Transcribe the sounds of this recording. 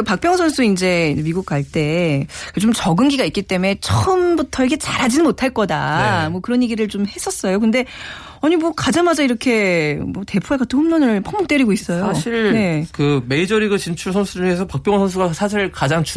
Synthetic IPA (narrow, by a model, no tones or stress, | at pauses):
kɯpak̚p͈jʌŋsʰʌnsʰuind͡ʑe̞miɡuk̚k͈aɭt͈e̞kɯt͡ɕomt͡ɕʌɡɯnɡiɡaik͈̚it͈e̞me̞t͡ɕʰʌɯmbutʰʌikʰet͡ɕaɾɦad͡ʑinɯnmotʰaɭk͈ʌdamwʌkɯɾʌnjeɡiɾɯɭt͡ɕomhe̞s͈ʌs͈ʌjokɯnde̞ | ʌɲimwʌkad͡ʑaŋmad͡ʑaiɾʌkʰe̞mwʌte̞pʰueɡatʰɯnhumɲʌnɯɭpʰʌŋmok̚t͈we̞ɾiɡois͈ʌjjoaɕʰiɭne̞kɯme̞id͡ʑʌɾiɡɯt͡ɕint͡ɕʰuɭsʰʌnsʰud͡ʑuŋesʰʌpak̚p͈jʌŋsʰʌns̬ʰuɡasʰaɕʰiɭkad͡ʑaŋt͡ɕ